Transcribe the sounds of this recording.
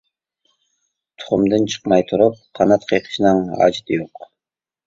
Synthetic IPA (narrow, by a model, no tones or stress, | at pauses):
t̪ʰʊ̥χʊmd̪ɯnt͡ʃʰɨ̥qmɑjt̪ʰuɾup̚qʰɑnɑt̪qʰijqʰə̥ʃnɑnɑ̰d͡ʒt̪joq